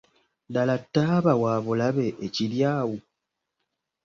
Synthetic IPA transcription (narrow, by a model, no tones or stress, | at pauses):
dalatːaːβawaːβulaβe̞ʔeciljaːwu